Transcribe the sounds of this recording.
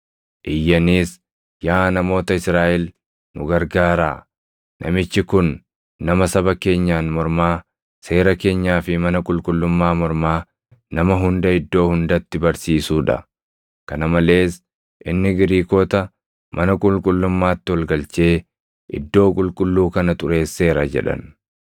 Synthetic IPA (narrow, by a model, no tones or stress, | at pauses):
ʔɪjːɐniːs | jaːnɐmo̞ːt̪ɐɪsɾaːʔɛl | nʊ̰ɡɐɾɡaːɾa̰ː | nʔɐ̰mɪt͡ʃːɪkʊnː | ɐmɐsɐbɐke̞ːɲːaːnmɔɾmaː | se̞ːɾɐke̞ːɲːaːfɪmɐnɐkʼʊlkʼʊlːʊmːaːmɔɾmaː | nɐmɐɦʊnd̪ɐɪd̪ːo̞ːhʊnd̪ɐt̪ːɪbɐɾsiːsuːᶑɐ̰ | kɐnɐmɐle̞ːs | ʔɪnːɪɡɪɾiːkoːt̪ɐ | mʔɐnɐkʼʊlkʼʊlːʊmːaːt̪ːɪwɔlɡɐlt͡ʃe̞ː | ʔɪ̰d̪ːo̞ːkʼʊlkʼʊlːuːkɐnɐt̪ʼʊɾe̞ːsːe̞ːɾɐd͡ʒɛ̰ᶑɐ̰n